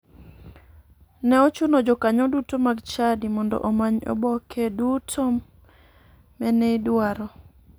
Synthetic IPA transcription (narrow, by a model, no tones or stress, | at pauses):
nɛɔt͡ʃunod͡ʒɔkaɲɔdutomaɡt͡ʃadimɔndɔ̰ʔɔmaɲɔ̰bɔkʰɛdutʰo | mɛneidwaɾɔ